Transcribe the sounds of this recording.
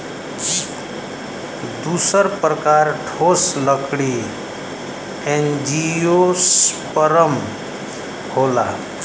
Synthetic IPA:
d̪usəɾpɾəkaɾʈʰosləkɽi | end͡ʒiospəɾəm | hola̰

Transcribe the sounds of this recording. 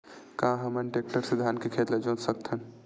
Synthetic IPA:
kãɦəmənʈek̚ʈəɾsid̪ʱankekʰet̪lad͡ʒõt̪sək̚t̪ʰən

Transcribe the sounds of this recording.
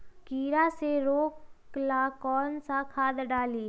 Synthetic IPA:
kiːɾaseɾoːklakɔːnsakʰaːd̪ɖaːliː

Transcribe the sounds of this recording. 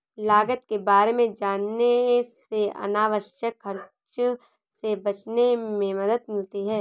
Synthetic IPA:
laːɡət̪kebaːɾemẽd͡ʒaːneseɐ̰naːʋəʃjəkɦɐɾ | t͡ʃ | sebɐt͡ʃnemẽmɐd̪əd̪mɪlt̪iɦɛː

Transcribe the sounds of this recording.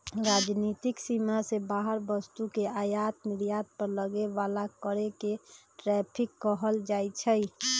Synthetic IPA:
ɾad͡ʒnit̪iksimasebaɦəɾbəst̪ukeajat̪mɪɾijad̪̚pəɾləɡeʋalakəɾekeʈɾɛpʰikːəɦəld͡ʒajt͡ʃʰəj

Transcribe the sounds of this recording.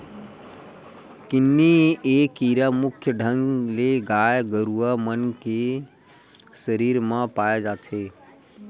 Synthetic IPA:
kɪnːieːkiɾamukʰjəɖʱəŋɡleɡajɡəɾuamənke | səɾiɾmãpaed͡ʒaːt̪ʰe

